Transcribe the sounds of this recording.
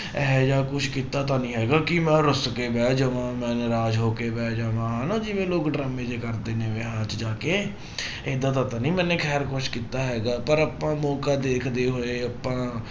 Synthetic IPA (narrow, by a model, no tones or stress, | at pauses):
ɛːd͡ʒaːkʊʃʰkiːt̪aːt̪ãːnĩːɦɛːɡaːkɪmɛ̃ːɾʊskeːbɛːd͡ʒəʋãːmɛ̃ːnɾaːd͡ʒɦoːkeːbɛːd͡ʒaʋãːɦnãːd͡ʒɪʋẽːloːkɖɾaːmeːd͡ʒeːkəɾd̪eːnẽːʋeːɦãːt͡ʃd͡ʒaːkeː | eːd̪aːt̪ãːt̪ãːnĩːmɛ̃ːnẽːkʰɛːɾkʊʃkiːt̪aːɦɛːɡaːpəɾapãːmɔːkaːd̪eːkʰd̪eːɦoːeːəpãː